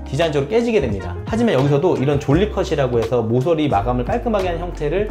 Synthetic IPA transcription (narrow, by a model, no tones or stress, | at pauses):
kid͡ʑaŋd͡ʑʌɡɾok͈e̞d͡ʑiɡe̞dwemɲida̰had͡ʑimanjʌɡisʰʌdoiɾʌnt͡ɕoɭʎːikʰʌɕʰiɾaɡoɦe̞sʰʌmos̬ʰʌɾimaɡamɯɭk͈aɭk͈ɯmaɡeɦançʌŋtʰe̞ɾɯɭ